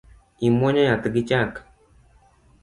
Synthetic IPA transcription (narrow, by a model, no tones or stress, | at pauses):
imoɲajat̪ɨɡit͡ʃak